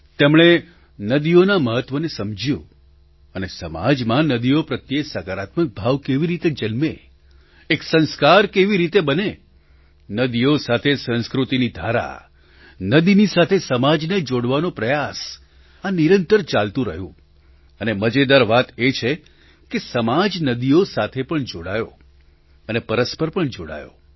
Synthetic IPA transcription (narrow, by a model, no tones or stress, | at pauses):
t̪emɭ̃e | nəd̪ionaməɦət̪ʋənesəmd͡ʒjṵ̃ | ənesəma̰d͡ʒmãnəd̪iopɾət̪jesakaɾat̪mək̚bʱaʋkeʋiɾit̪ed͡ʒənmeː | ksə̃nskaɾkeʋiɾit̪ebəne | nəd̪iosat̪ʰesə̃nskɾut̪inid̪ʱaɾa̰ | nəd̪inisat̪ʰesəmad͡ʒned͡ʒoɽʋanopɾəjas | aniɾənt̪əɾt͡ʃalt̪ũɾə̰ɦjṵ̃ | əneməd͡ʒed̪aɾʋat̪et͡ʃʰe | kesəmad͡ʒnəd̪iosat̪ʰepəɳd͡ʒoɽajo̰ | ənepəɾəspəɾpəɳd͡ʒoɽa̰jo̰